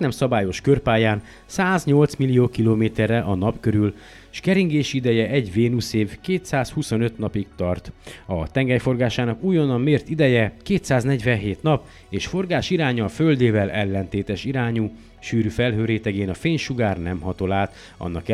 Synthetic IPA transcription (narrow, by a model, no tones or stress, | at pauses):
nɛmsɒbaːjo̞ʃkørpaːjaːn | saːzɲo̞lt̪smilijoːkiloːmeːt̪ɛrɛʔɒnɒpkøɾyl | ʃkɛɾiŋɡeːʃid̪ɛjɛʔɛɟveːnuseːvkeːt̪saːshuso̞nøt̪nɒpik̚t̪ɒrt̪ɒ̰t̪ɛŋɡɛjfo̞rɡaːʃaːnɒkuːjːo̞nɒmeːrt̪id̪ɛjɛkeːt̪saːznɛɟvɛnɦeːt̪nɒp | eːʃfo̞rɡaːʃiɾaːɲɒːføld̪eːvɛlɛlːɛnt̪eːt̪ɛʃiɾaːɲu | ʃyːɾyfɛlɦøːɾeːt̪ɛɡeːnɒfeːɲʃuɡaːrnɛ̰mɦɒt̪o̞laːt̪ | ɒ̰nːɒ̰kɛ